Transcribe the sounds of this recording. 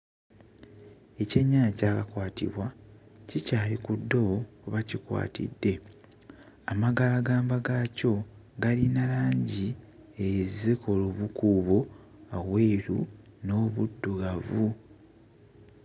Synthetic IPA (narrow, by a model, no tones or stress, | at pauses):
e̞ceɲːaːcaːkakwaːtḭβwacicaːlikudːo̞wokuβacikwa̰ːtḭdːe̞ | amaɡalaɡaːmbaɡaco̞ | ɡalinalaːɲɟi | ezekoluβukuːβo | aweːɾuno̞ːβudːuɣavu